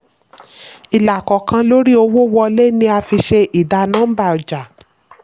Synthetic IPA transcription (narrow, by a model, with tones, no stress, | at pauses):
i˨la˨kɔ˨kã˧lo˦ɾi˦o˧wo˦wɔ˧le˦nĩ˧˦a˧fi˧ʃe˧ʔi˨da˧nãː˦ba˦˨ɔ˨d͡ʒa˨